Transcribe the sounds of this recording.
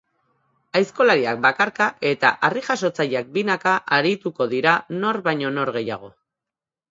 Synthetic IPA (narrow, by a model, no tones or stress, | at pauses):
ajsko̞laɾiak̚bakaɾkaʔe̞t̪a̰ʔariʝas̬o̞t͡saʎak̚binakaʔaɾit̪uko̞ðiɾano̞ɾβajɲo̞no̞ɾɣe̞ja̰ɣ̞o̞